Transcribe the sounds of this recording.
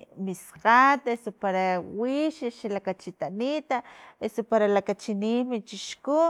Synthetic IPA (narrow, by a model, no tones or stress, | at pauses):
misqat̪esopaɾawiʃʃalakat͡ʃit̪anit̪aesopaɾalakat͡ʃiniːmit͡ʃiʃku